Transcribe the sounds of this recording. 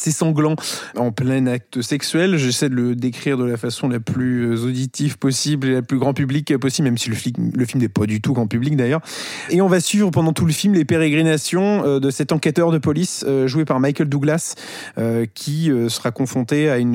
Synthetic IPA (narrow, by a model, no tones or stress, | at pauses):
sɛsɑ̃ɡlɑ̃ɑ̃plɛ̃nak̚t̪əsɛksɥɛlʒesɛjd̪ələd̪ekχiʁd̪əlafasɔ̃laplyøzod̪it̪ʰivpɔsiblelaplyɡʁɑ̃pyblikpɔsiblmɛmsiləfiləfilmnɛpad̪yt̪uɡʁɑ̃pyblik̚d̪ajœʁeɔ̃vasɥivʁəpɑ̃d̪ɑ̃t̪uləfilmlepeʁeɡʁinasjɔ̃ød̪əsɛt̪ɑ̃kɛt̪œʁd̪əpɔlisøʒuepaʁmajkʲɛld̪uɡlas | økʲʰiøsə̥ʁakɔ̃fχɔ̃t̪eayn